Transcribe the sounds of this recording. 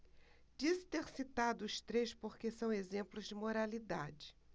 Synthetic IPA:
d͡ʒisɪ̥t̪eɾsit̪ad̪ʊːʃt̪ɾeʃpoɾkesɐ̃w̃ezẽmplʊzd͡ʒɪmoɾalid̪ad͡ʒɪ

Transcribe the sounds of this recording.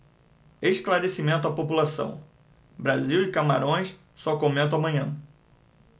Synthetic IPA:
eʃklaɾesimẽnt̪ʊapopulasɐ̰̃w̃ | bɾaziwɪkamaɾõj̃s | sɔkomẽnt̪ʊamɐ̃ɲɐ̃

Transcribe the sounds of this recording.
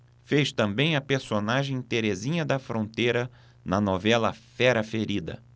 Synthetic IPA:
feʃt̪ɐ̃mbẽj̃ɐpeɾsonaʒẽj̃t̪eɾezĩɲɐd̪ɐfɾõnt̪ejɾɐ | nɐnɔvɛlɐ̰fɛɾɐfeɾid̪ɐ̰

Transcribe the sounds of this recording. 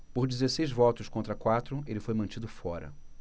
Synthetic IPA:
poɾd͡ʒizesejzvɔt̪ʊskõnt̪ɾɐkwat̪ɾʊelɪfojmɐ̃t͡ʃid̪ʊfɔɾɐ̰

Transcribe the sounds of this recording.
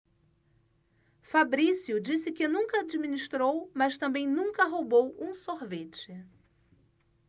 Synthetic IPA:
fabɾisiʊd͡ʒisɪkɪnũŋkɐad͡ʒimĩniʃt̪ɾowmɐst̪ɐ̃mbẽj̃nũŋkɐɦobowũsoɾvet͡ʃɪ

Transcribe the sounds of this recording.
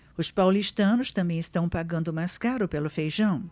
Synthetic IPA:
ʊspawliʃt̪ɐ̃nʊst̪ɐ̃mbẽj̃ɪst̪ɐ̃w̃paɡɐ̃nd̪ʊmajskaɾʊpelʊfejʒɐ̃w̃

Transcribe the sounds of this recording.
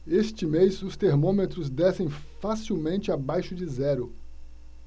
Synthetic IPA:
est͡ʃɪmejzʊst̪eɾmõmet̪ɾʊzd̪ɛsẽj̃ | fasiwmẽnt͡ʃɪabajʃʊd͡ʒɪzɛɾʊ

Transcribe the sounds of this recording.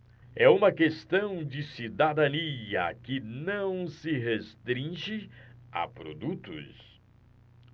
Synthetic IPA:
ɛũmɐkest̪ɐ̃w̃d͡ʒɪsid̪ad̪ɐniɐ̰kɪnɐ̃w̃sɪɦest̪ɾĩʒɪa̰pɾo̰d̪ut̪ʊ̰s

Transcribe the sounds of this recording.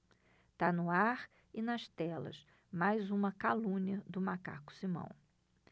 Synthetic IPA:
t̪anʊaɾ | ɪnɐʃt̪ɛlɐ̰s | majzũmɐkalũniɐd̪ʊmaka̰kʊ̥simɐ̰̃w̃

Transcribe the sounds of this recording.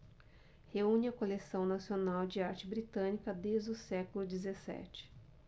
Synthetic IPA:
heũnɪɐkolesɐ̃w̃nasionawd͡ʒɪaɾt͡ʃɪbɾit̪ɐ̃nikɐd̪ezd͡ʒʊsɛkʊlʊd͡ʒɪzesɛ̰t͡ʃɪ̥

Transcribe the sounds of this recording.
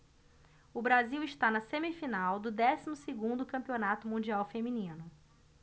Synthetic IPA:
ʊbɾaziwɪʃt̪anɐsẽmifinawd̪ʊd̪ɛsimʊseɡũnd̪ʊkɐ̃pionat̪ʊmũd͡ʒiawfemĩnĩnʊ

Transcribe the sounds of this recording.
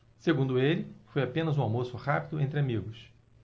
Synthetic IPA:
seɡũnd̪ʊelɪfojapẽnɐzũamosʊhapid̪ʊẽnt̪ɾɪamiɡʊs

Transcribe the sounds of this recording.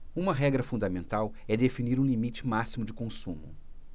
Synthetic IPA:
ũmɐɦɛɡɾɐfũnd̪ɐmẽnt̪awɛd̪efiniɾũlimit͡ʃɪ̥masimʊd͡ʒɪkõsũmʊ̰

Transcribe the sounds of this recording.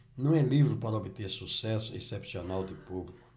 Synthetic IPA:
nɐ̃w̃ɛlivɾɪpaɾɐobɪt̪eɾsusɛsʊesepsionawd̪ɪpublikʊ

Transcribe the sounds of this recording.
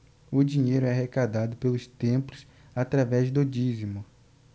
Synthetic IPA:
ʊd͡ʒĩɲejɾʊɛɦekad̪ad̪ʊpelʊst̪ẽplʊs | at̪ɾavɛzd̪ʊd͡ʒizimʊ

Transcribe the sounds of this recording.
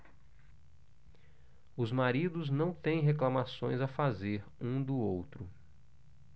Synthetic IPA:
ʊzmaɾid̪ʊznɐ̃w̃t̪ẽj̃ɦeklamasõj̃zafazeɾũd̪ʊowt̪ɾʊ

